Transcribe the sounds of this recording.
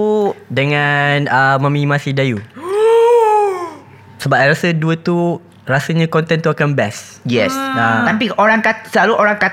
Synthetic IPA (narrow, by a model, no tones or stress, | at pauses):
dəŋanəmãmĩmãsidaju | səbap̚ajɾasəduət̪u | ɾasəɲãkɔnt̪ɛnt̪uakanbɛs | jɛsat̪amp̬ioɾaŋkasəlaluʔoɾaŋka